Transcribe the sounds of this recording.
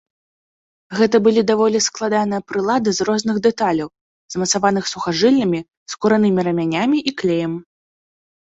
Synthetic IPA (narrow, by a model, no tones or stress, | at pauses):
ɣɛt̪ɐbɨlʲid̪avɔlʲisklˠad̪anɨjɐpɾɨlˠad̪ɨzrɔzn̪ɨɣd̪ɛt̪alʲɐw | z̥mɐt̪savan̪ɨxsuxaʐɨlʲnʲɐmʲi | skuɾanɨmʲiɾɐmʲanʲamʲiʔiklʲejɐmʲ